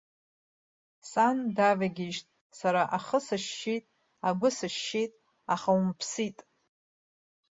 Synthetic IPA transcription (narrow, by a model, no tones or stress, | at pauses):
sandavaɡʲɪʒtʼ | saɾaʔaχəsɨʃitʼ | aɡʷʊsɨʃːitʼ | aχaumpʰsitʼ